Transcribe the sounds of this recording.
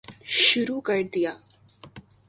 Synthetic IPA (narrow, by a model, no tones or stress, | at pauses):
ɕuɾukəʈd̪ija